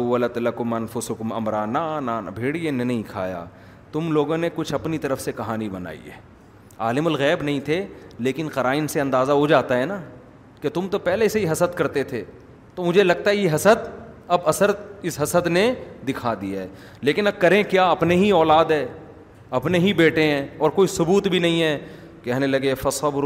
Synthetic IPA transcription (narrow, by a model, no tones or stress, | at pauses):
wːɐlɐt̪lɐkʊmɐnfʊsʊkʊmɐ̰mɾaːnaːnaːn̰bʱeːɽienenɐɦĩkʰa̰ːja̰ː | t̪ʊmloːɡõnekʊt͡ʃʰɐpnit̪ɐɾəfsekɐɦaːnibɐna̰ːḭɛ̰ː | aːlɪmʊlɣɛːbnɐɦĩt̪ʰeleːkɪnqɐɾaːɪnseɐ̃nd̪aːzaɦod͡ʒaːt̪aɦɛːnaː | ket̪ʊmt̪opɛɦleseiɦɐsəd̪kɐɾt̪et̪ʰeː | t̪oːmʊd͡ʒʱelɐɡ̚t̪aɦɛjeɦɐsəd̪ɐbɐsəɾɪsɦɐsəd̪ned̪ɪkʰad̪iaɦɛː | leːkɪnɐb̚kɐɾẽkjaːɐpneɦiɔːlaːd̪ɦɛː | ɐpneɦibeːʈẽɦɛ̃ːɔːɾkoːisʊbuːt̪bʱinɐɦĩɦɛː | kɛɦnelɐɡefɐsab